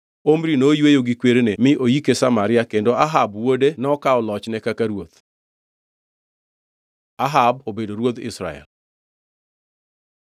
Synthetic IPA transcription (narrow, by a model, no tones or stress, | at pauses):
omɾinojwejoɡikweɾenemɪʔojikesamaɾɪakendoaɦabwodenɔkaɔlɔt͡ʃnɛkakaɾwot̪ | aɦabobedoɾwot̪ɪ̰sɾa̰ɛ̰l